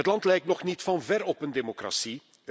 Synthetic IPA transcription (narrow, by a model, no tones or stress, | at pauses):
ətlɑntlɛjk̚tnɔxnitfɑnvɛrɔpəndemokra̰si